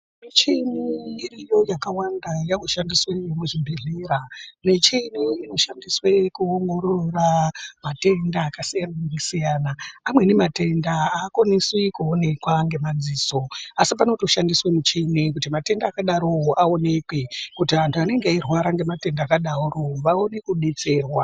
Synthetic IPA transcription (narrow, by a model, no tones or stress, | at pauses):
mit͡ʃiniːrijo̞jakawandajakoʃandiswejomuʐimbʱiɮiɾanet͡ʃiniːno̞ʃandiswe̞kuoŋɡo̞ɾoramate̞ndaːkasijananekisijaːnaːmwe̞nemate̞ndaakwaniswikuone̞kwaŋɡe̞mad͡ziːso̞asip̬ano̞to̞ʃandiswemut͡ʃiːnikutimate̞ndaːkaɗaɾooʔaone̞kwekutiantʰuane̞ŋɡeairwaɾaŋɡe̞mate̞ndaːkaɗaroʋaonekuɗit͡seːrwa